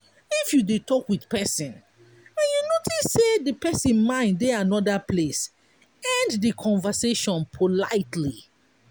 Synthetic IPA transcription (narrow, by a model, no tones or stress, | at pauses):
ifjudutʰɔkwidpɛsĩn | ɛ̃njunotʰisːedəpɛsĩnmãɪ̃nddɛanɔdəpʰles | ɛ̃nddəkʰɔ̃ɱvəseʃɔ̃npʰolaɪtʰli